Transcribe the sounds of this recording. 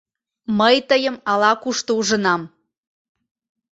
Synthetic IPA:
məjt̪əjəmɑlɑkuʃt̪ouʒə̆nɑm

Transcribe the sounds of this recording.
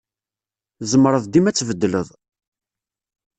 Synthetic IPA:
zmɾˤəðˤd̪imæt͡sːvəd̪ːləðˤ

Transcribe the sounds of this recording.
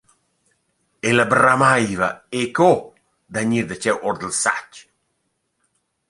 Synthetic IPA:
eləbramajvaeko | d̪aɲiɾd̪ət͡ʃɛwʔɔɾd̪əlsa̰t͡ʃ

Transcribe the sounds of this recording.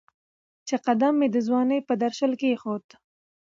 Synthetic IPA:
t͡ʃeqad̪amːed̪əzwɑnəjpəd̪aɾʃəlkexot̪

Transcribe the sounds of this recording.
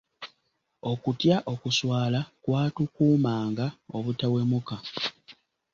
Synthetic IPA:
o̞kutjaʔo̞kuswaːlakwaːtukuːmaːŋɡao̞βutawe̞muka

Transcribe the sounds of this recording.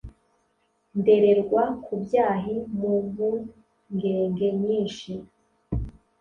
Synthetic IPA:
nde̞ɾe̞ɾɡwakʰubjaːɦimuβu | ŋɡeːŋɡeɲiːnʃi

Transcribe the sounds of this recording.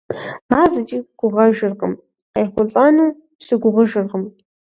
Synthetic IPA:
aːzɨt͡ʃʼiɡ̥ʷʊʁɐʒɨrʁəm | qajχʷʊɬʼanuː | sɨɡʷʊʁəʒɨrʁəm

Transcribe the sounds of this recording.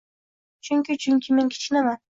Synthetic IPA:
t͡ʃʰyŋkʲit͡ʃʰyŋkʲimeŋkʲʰi̥t͡ʃinama

